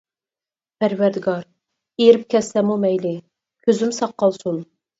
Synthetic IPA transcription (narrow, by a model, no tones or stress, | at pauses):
pʰæɾwæɾd̪ɪɡɑɾ | eɾɪp̚kʲʰɛslɛmumɛjlɪ | kʲʰøzymsɑqːɑlˠsun